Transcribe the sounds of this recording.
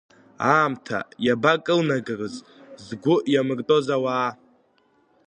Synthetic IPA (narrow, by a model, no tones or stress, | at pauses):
aːmtʰa̰jabakʼɨlnaɡɨrɨz | zɡʷʊʔjamɨrtʼo̞zawaː